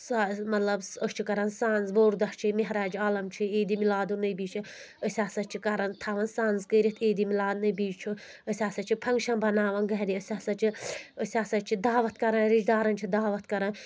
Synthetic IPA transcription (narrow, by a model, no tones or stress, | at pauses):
samɐt̪lɐbəst͡ʃʰikɐɾɐnsaːnzʋoːɾd̪ɐʂt͡ʃʰimeɦɾaːd͡ʒaːlɐmt͡ʃʰieːd̪imilaːd̪unɐjbiːt͡ʃʰi | əsʲaːsɐt͡ʃʰikɐɾɐnt̪ʰaʋɐnsaːnzkəːɾʲɐt̪ʰeːd̪imilaːd̪nɐbiːd͡ʒt͡ʃʰu | əsʲaːsɐt͡ʃʰipʰɐŋɡʃɐnbɐnaːʋɐnɡɐɦɾiəsʲaːsɐt͡ʃʰiəsʲaːsɐt͡ʃʰid̪aːʋɐt̪̚kɐɾɐnɾid͡ʒd̪aːɾɐnt͡ʃʰid̪aːʋɐt̪kɐɾɐn